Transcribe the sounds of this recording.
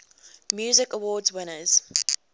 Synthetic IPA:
mjuːzɪkəwɔːdzwɪnəz̥

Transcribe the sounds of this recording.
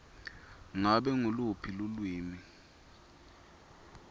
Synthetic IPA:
ŋaɓɛŋolupʰilulwiːmi

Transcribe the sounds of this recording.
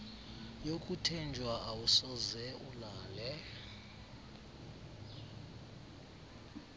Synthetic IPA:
jokʼutʰɛnd͡ʒʱwaʔawusɔzɛulaːlɛ

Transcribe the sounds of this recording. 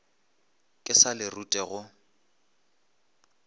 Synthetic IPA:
kʼɪsalɪrutʼɛɣʊ

